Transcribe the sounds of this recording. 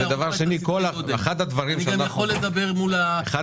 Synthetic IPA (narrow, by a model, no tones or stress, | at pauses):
ed̪avaʁʃenikolaaχat̪had̪vaʁimnʃanaaχolːed̪ɐbeʁmulaeχa